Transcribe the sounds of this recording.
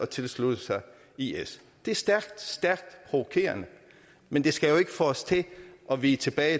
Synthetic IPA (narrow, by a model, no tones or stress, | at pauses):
ɒ̽t͡sʰe̝lslud̥əsɑ̈ɪ | ies | d̥e̝æɐsd̥æɐɡ̥d̥sd̥æɐɡ̥̚d̥pʰʁo̝ʋokʰe̝̰ːɐnə | mend̥e̝sɡ̥æjo̝e̝ɡ̥əfɒɒst͡sʰe̝ʔɒ̽ʋiːt͡sʰe̝b̥ɛːɪ